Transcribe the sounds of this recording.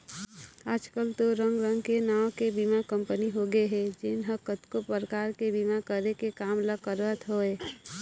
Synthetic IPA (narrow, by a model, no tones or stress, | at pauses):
aːd͡ʒkəlt̪oɾə̃ŋɡɾə̃ŋɡkenaːwkebimakə̃mpəniɦoɡeɦɛd͡ʒɪnɦəkət̪kopəɾəkaːɾkebimakəɾekekaːmləkəɾʋət̪ɦoeː